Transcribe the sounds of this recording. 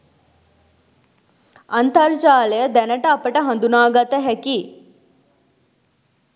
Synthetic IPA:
ɐnt̪ɐɾt͡ʃaːlejəd̪ɛnəʈəːpəʈəɦɐ̃nd̪unaːɡɐt̪əɦɛki

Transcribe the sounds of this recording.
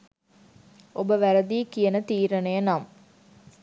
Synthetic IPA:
ʔobəʋæɾəd̪iːkijənət̪iːɾənejənam

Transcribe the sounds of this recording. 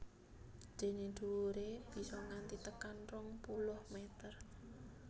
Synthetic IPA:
d͡ʒ̥e̤nid̪̥uɾeb̥i̤sɔŋant̪it̪əkanrʊŋpulʊhmɛt̪ər

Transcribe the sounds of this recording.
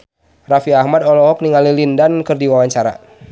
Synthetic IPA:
rafiahmadɔlɔɦɔk̚niŋalilindankɨrdiwawaɲt͡ʃaɾa̰

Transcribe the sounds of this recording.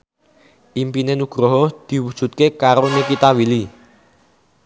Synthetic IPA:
ʔimpinenuɡ̥ɾɔɦɔd̪̥i̤wud̥ʒ̥ṳt̪̚kekaɾonekit̪awili

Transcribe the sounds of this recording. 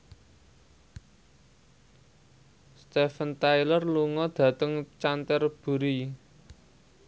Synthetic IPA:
st̪efənt̪ajlərluŋɔd̪̥ä̤t̪əŋt͡ʃant̪ərb̥ṳɾi

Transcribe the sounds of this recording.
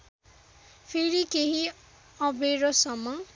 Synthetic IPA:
pʰiɾikeɦi | ʌbʱeɾʌsʌmːʌ

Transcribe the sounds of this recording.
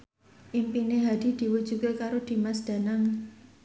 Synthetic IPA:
ʔimpineɦad̪̥i̤d̪̥i̤wu̥ʒ̥ṳkekaɾod̪̥i̤masd̪̥ä̤naŋ

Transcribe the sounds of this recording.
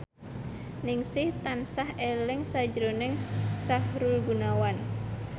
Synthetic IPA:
nɪŋsɪht̪ansahelɪŋsad͡ʒɾonɛŋsahɾulɡunawan

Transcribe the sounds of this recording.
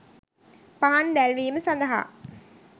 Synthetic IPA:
paɦand̪ælʋiːməsɐnd̪ɐɦa̰

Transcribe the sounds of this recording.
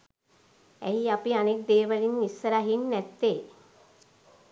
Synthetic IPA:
æiapianek̚d̪eːʋalinisːəɾaɦinːæt̪ːeː

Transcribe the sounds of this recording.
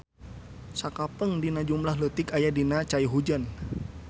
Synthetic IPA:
sakapəŋdinad͡ʒumlahɦlət̪ɪkajadinat͡ʃaiɦud͡ʒan

